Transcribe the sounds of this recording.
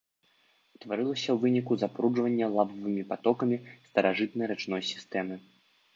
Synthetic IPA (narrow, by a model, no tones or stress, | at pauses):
st̪vaɾɨlˠɐsʲɐwvɨnʲikuzapɾud͡ʐvɐnʲːɐlˠabɐvɨmʲipat̪ɔkɐmʲist̪ɐɾaʐɨt̪̚nɐjɾɛt͡ʂnɔjsʲi̥st̪ɛmɨ